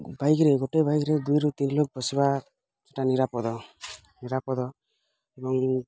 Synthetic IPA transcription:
bʱajɡɾeɡoʈebʱajɡɾed̪ujɾut̪inilok̚bɔsiba | d͡ʒeʈaniɾapɔd̪ɔ | niɾapɔd̪ɔ | ebɔŋ

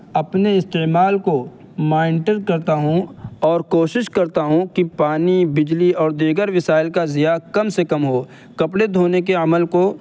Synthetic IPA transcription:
ɐpneɪst̪eːmaːlko | mãːɪnʈəɖ̚kɐɾt̪aɦũɔːɾkoːʃɪʃkɐɾt̪aɦũkipaːnibɪd͡ʒliɔːɾd̪iːɡəɾʋɪsaːɪlkazɪjakɐmsekɐmɦoː | kɐpɽed̪ʱoːnek̬eɐməlko

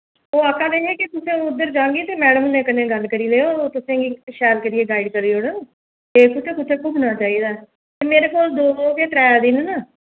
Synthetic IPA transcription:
oːakːãːd̪eːeːkɪt̪ʊsẽːʊd̪ːəɾd͡ʒãːɡiːt̪eːmɛːɽəmnẽːkənẽːɡəlkəɾiːleːoːt̪ʊsẽːɡiːʃɛːlkəɾɪjeːɡaːɪɖkəɾiːoːɽə | eːkʊt͡ʃʰeːkʊt͡ʃʰeːkʊbnaːt͡ʃaːiːd̪aː | t̪eːmeːɾeːpoːld̪oːkeːt̪ɾɛːd̪ɪːnnaː

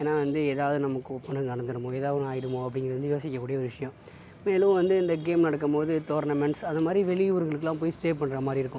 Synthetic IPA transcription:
eːnːaːʋɐnd̪ɯeːðaːʋɐðɯnɐmɐkːɯɔpːɐnɐnɐɳɐnd̪ɯɾɯmõːeːðaːʋɐ̃aːjɪɽɯmõːɐpːɽɪŋɡɪɾɐʋɐnd̪ɯjoːsɪkːɐkːuːɽɪjɐɔɾɯʋɪʂɐjɐ̃ | meːlɯ̃ʋɐnd̪ɯɪnd̪ɐɡeːmnɐɽɐk̬ːɐmpoːðɯt̪oːɾnɐmɛɳʈsɐnd̪ɐmaːd̪ɾiʋɛɭɪʋʊɾɯŋɡɐɭɯkːɯlãːpoːjisʈeːpːɐɳːɾɐmaːd̪ɾiɪɾɯkːʊ̃

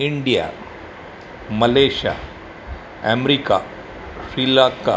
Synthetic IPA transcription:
iɳɖija̰ | mɐleːʃa̰ | emɾika̰ | silakːa

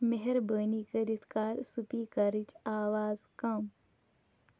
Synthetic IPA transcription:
meɦɛɾbəːnikəɾit̪ʰkaːɾsupikɐɾɪt͡ʃaːwaːzkɐm

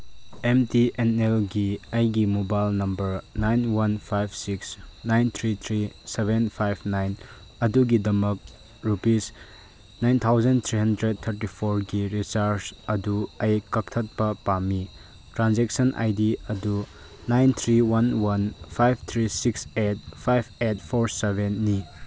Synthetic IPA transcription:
emtienelɡiɐjɡimobajlnɐmbɐɾnajnwɐnpʰajbsiksnajnt̪ʰɾit̪ʰɾisebenpʰajbnajn | ɐduɡidɐmɐk̚ | ɾupis | najnt̪ʰawzɐnt̪ʰɾiɦɐndɾed̚t̪ʰɐɾtipʰoɾɡiɾisaɾsɐduɐjkɐk̚tʰɐt̚pɐpami | tɾanzeksɐnʔa̰jdiɐdu | najnt̪ʰɾiwɐnwɐnpʰajbʰt̪ʰɾisikset̚pʰajbʰet̚pʰoɾsebenːi

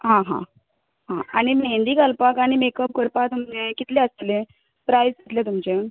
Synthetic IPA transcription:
ɦãɦã̰ | ɦã̰añimend̪iːkalpakaɽ̃imekəp̚kəɾpat̪umt͡ɕekit̪lẽəst̪le | pɾajskit̪let̪umt͡ɕe

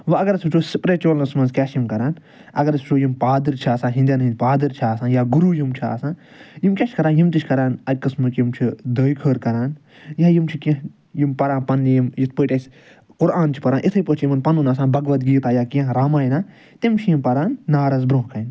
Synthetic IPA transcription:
ʋɐɐɡɐɾɐsʲut͡ʃʰoːsipɾeːt͡ʃoːlnɐsmɐnzkʲaːʃjimkɐɾaːn | ɐ̰ɡɐɾɐsut͡ʃʰoːjimpaːd̪ɨɾt͡ʃʰaːsãːɦĩnd̪aninpaːd̪ɨɾt͡ʃʰaːsãːnjaːɡuɾuːjimt͡ʃʰa̰ːsãːn | jimkʲaːʃʰʲkɐɾaːnjimt̪it͡ʃʰkɐɾaːnɐd̚ʲkɐsmɨkjimt͡ʃʰid̪əːjkʰəːɾkɐɾaːn | jaːjimt͡ʃʰikɐ̃ɦ | jimpɐɾãːnpɐnːjimjit̪̚ʰpəːʈʲɐsʲ | kʊɾaːnt͡ʃʰi̥pɐɾaːnʔit̪ʰɨjpəːt͡ʃʰjimɐnpɐnunaːs̬ãːnbɐɡʋɐt̪̚ɡiːt̪aːjaːkiãɾaːmaːjnaː | t̪imt͡ʃʰijimpɐɾaːnːaːɾɐzbɾõːɦkɐin

